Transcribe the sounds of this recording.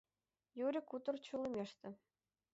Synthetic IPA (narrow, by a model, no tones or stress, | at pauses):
juɾʲɘ̆kut̪ɤ̆rt͡ɕŭlˠɤ̆mʲeʂt̪ʲɘ̆